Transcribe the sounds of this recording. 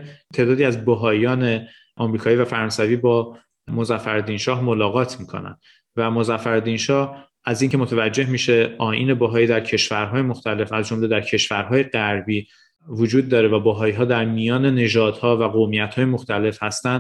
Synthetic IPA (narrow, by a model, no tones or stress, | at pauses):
t̪ʰe̞ːd̪ɒːd̪iːæzboɦɒːjɒːne̞ | ʔɒmɾiːkʰɒːiːvæfæɾɒnsæviːbɒː | mozæfæɾd̪inʃɒːhmolɒːɣɒːt̪ʰmiːkʰo̞̰næ̰nd̪ | væmozæfːæɾd̪inʃɒːh | ʔæziːŋcʰe̞mo̞t̪ʰævæd͡ʒːe̞hmiːʃe̞ɒːʔiːne̞bɒɦɒːiːd̪æɾcʰe̞ʃvæɾɦɒːjemoxt̪ʰæle̞fæzd͡ʒomled̪æɾcʰe̞ʃvæɾɦɒːje̞ɢæɾbiː | vod͡ʒuːd̪ːɒːɾevæbɒɦɒːiɦɒːd̪æɾmijɒːne̞ne̞ʒɒːd̪̥hɒːvæɣomijæt̪hɒːjemoxt̪æle̞fhæst̪ænd̪